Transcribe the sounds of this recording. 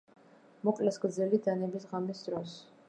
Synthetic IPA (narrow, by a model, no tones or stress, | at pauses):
mɔkʼlɛsɡɾd̪zɛlid̪anɛbisʁamisd̪ɾɔs